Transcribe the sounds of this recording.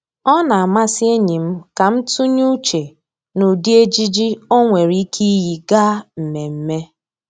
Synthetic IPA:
ɔ˦na˨a˨ma˦si˦e˦ɲi˨m̩˦ka˨m̩˦tu˦ɲu˦t͡ʃe˨ | nu˨di˦e˦d͡ʒi˦d͡ʒi˦o˦ŋʷe˨ɾi˦kʰi˦ɦi˨ɡa˦m̩˨me˨m̩˦me˦

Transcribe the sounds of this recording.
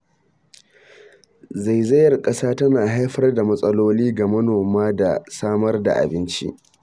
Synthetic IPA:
za˨jzɐ˦jɐ˨rkʼɐ˦saː˦tɐ˦naː˨ɦa˦jɸɐ˦rda˨mɐ˦sʼɐ˦loː˦liː˦ɡa˨mɐ˦noː˨maː˦da˨saː˦mɐ˦rda̰˨ʔa̰˨bɪ˦nt͡ʃḭ˦ʔ

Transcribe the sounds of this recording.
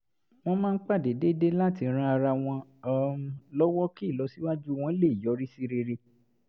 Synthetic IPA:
w̃ɔ̃˧mãː˦n̩˦k͡pa˦˨de˨de˦de˦la˦˨ti˨˧˦ɾ̃ã˦˧a˧ɾa˧w̃ɔ̃˧˨˧ | lɔ˦wɔ˦ki˦˨lɔ˨˦si˦wa˦d͡ʒu˦w̃ɔ̃˧i˦le˦˨jɔ˨˦ɾi˦si˧ɾe˧ɾe˧

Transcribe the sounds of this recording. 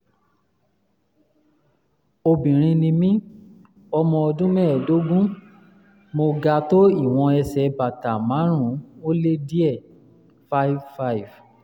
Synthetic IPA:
o˧bĩ˨ɾ̃ĩ˧nĩ˧mĩ˦ | ɔ˧mɔ̃˧ɔ˧dũ˦mɛ̃ː˦˨do˨˦ɡũ˦ | mo˧ɡa˧to˦i˦˨w̃ɔ̃˧ɛ˧sɛ˨˦ba˨ta˨mã˨˦ɾ̃ũ˦o˦le˦di˦ɛ˦˨ | fa˦i˦˨vfa˦i˨v

